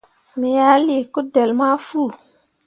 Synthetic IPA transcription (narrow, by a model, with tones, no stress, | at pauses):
mi˨ja˨˦li˨ku˦de˨lma˦fu˦˨